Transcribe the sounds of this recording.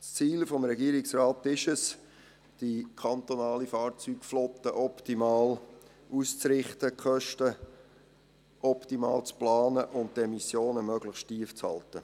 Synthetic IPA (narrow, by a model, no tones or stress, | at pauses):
st͡siːlfɔmɾɛɡiəɾɪksraːt̪ɪʃəs | d̥ikʰɑnt̪onɑːlifɑːɾt͡syːkflɔt̪ːəʔɔptimɑːl | uːst͡sɾɪχtəkχœʃtə | ʔɔptimɑ̰ːlt͡splɑːnəʔʊnttɛmisjoːnəmœɡləχʃtiəft͡shɑ̰lt̪ə